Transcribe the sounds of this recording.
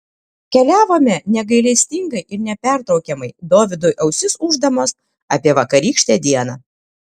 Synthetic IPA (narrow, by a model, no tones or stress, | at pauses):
kʲɛlʲæːʋoːmʲɛnʲɛɡɐɪlʲɛsʲt̪ʲɪŋɡɐɪʔɪɾnʲɛpʲæˑɾt̪ɾɒʊkʲɛmɐɪd̪oːʋʲɪd̪ʊjʔɛʊsʲɪsʊʒd̪ɐmoːs | ɐpʲiɛʋɐkɐɾʲiːkʲʃʲt̪ʲeːd̪ʲiɛnɐː